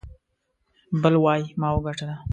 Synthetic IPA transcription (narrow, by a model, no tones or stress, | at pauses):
bəlwɑjmɑwəɡaʈad̪a